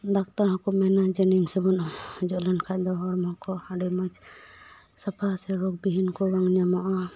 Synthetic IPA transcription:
d̪akt̪aɾɦɔ̃kɔmːɛnad͡ʒənimsɛbɔnɔd͡ʒɔʔlɛnkʰaʔd̪ɔɦɔɾmɔ̃kɔhaɖɛmat͡ʃ | sapʰasɛɾɔɡ̚biɦinkɔɾaŋɲamaʔa

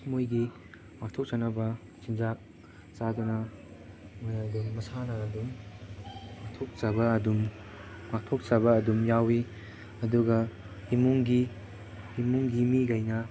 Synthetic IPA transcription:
mojɡi | mak̚tʰɔk̚t͡ʃanɐbɐ | sind͡ʒak̚ | t͡ʃadunɐ | mojɐdumːɐsanɐɐdum | mak̚tʰok̚t͡ʃabɐɐdumː | ak̚tʰok̚t͡ʃabɐːdumjawi | ɐduɡɐ | himuŋɡi | imuŋɡimiɡajnɐ

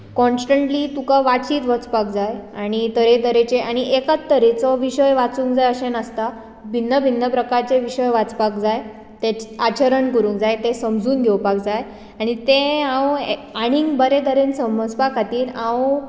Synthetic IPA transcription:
kɔ̃nsʈəɳʈliːt̪ukaʋat͡ɕiːt̪ʋət͡spak̚d͡zajaɽ̃it̪əɾed̪əɾet͡ɕeaɽ̃iʔekat͡st̪ːəɾet͡sɔʋiɕəjʋat͡suːŋkd͡zajəɕẽnəst̪a | bʱinːəbʱinːəpɾəkaɾt͡ɕeʋiɕəjʋat͡spakd͡zaj | t̪eat͡ɕəɾəɳkəɾũːŋkd͡zajt̪esəmd͡zuːnɡʱɛwpak̚d͡zaj | aɽ̃it̪eãweaɽ̃iːŋɡbəɾed̪əɾensəməd͡zpakat̪iːɾãw

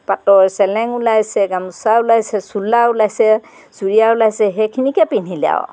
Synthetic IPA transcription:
patɔɹsɛlɛŋulajsɛɡamusaulajsɛsulːaulajsɛ | suɹijaulajsɛɦɛkʰinikɛpinilia̰w

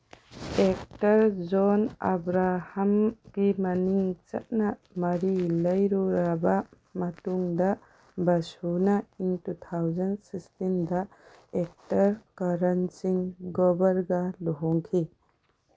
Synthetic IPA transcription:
ek̚tɐɾd͡ʒɔna̰bɾahamɡ̥imaniŋt͡ʃɐ̰t̚na | mɐɾilɐjɾuɾaba | mɐtuŋdɐ | bɐsunaiŋtut̪ʰawzɐnsikstinda | ek̚tɐɾkaɾɐnsiŋɡɔbɐɾɡaluɦɔŋkʰi

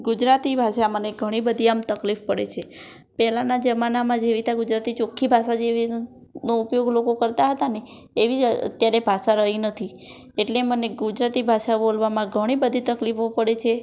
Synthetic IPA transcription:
ɡʊd͡ʒɾat̪ibʱaʃaməneɡʱəɽ̃ibəd̪ʱiamt̪əklifpəɽḛt͡ʃʰe | pɛɦlanad͡ʒəmanamãd͡ʒeʋit̪ʰaɡʊd͡ʒɾat̪it͡ʃokʰːibʱaʃad͡ʒeʋi | noupjoɡlokokəɾt̪aɦət̪ane | eʋiə̰t̪jaɾebʱaʃaɾəɦinət̪ʰi | eʈleməneɡʊd͡ʒɾat̪ibʱaʃabolʋamãɡʱəɽ̃ibəd̪ʱit̪əklifopəɽet͡ʃʰe

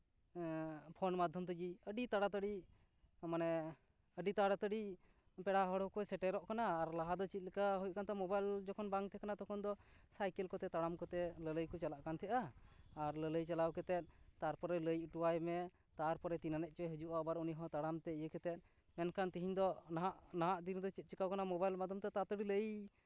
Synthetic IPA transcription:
pʰɔnmad̪ʱjɔmt̪ɡiəɖit̪aɽat̪əɽi | manɛ | əɖit̪aɽat̪əɖi | pɛɽaɦɔɽɔwkɔjsɛʈɛɾɔʔkanaːɾlaɦad̪ɔt͡ʃit̪̚likaɦujʔ̚kant̪ɛmɔbajld͡ʒɔkʰɔnbaŋt̪ʰɛkanat̪ɔkʰɔnd̪ɔsajkɛlkɔt̪ɛt̪aɽamkɔt̪ɛlələjkɔt͡ʃalaʔkant̪ʰɛʔaː | ɾlələjt͡ʃalawkɛt̪ɛt̪̚ˀt̪aɾpɔɾɛləjʔʈuwajmɛ | t̪aɾpɔɾɛt̪inanɛʔ̚ˀt͡ʃɔɛɦud͡ʒuʔabaɾuniɦɔ̃t̪aɽamt̪ɛijəkɛt̪ɛt̪̚ˀ | mɛnkʰant̪iɦiɲd̪ɔnaʔnaɦaʔd̪ind̪ɔt͡ʃit̪̚t͡ʃikawkanamɔbajlmad̪ʱɔmt̪ɛt̪at̪əɖiləj

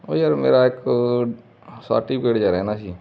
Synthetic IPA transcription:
o̰ːjaɾmḛːɾaek | sa̰ːʈibkeːɽd͡ʒaːɾaɦɛnaʃiː

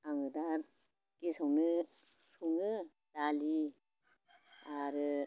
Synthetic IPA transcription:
aŋɯdaɾ | kesɔwnɯ | sɔwnɯ | d̥ali | aɾɯ

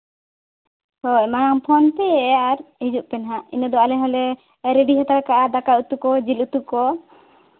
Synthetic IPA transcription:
t̪ɔɛmajaŋpʰɔnp̪ɛaɾhid͡ʒuʔpɛnɦaḭnɔd̪ɔalɛɦɔlɛ | ɾɛɖiɦat̪aɾkaʔad̪akaut̪ukɔd͡ʒilut̪ukɔ

